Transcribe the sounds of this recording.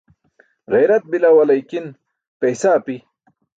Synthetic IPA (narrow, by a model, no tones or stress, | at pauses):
ɣejɾɐt̪̚bilawɐlɐjkin | pejsaːpi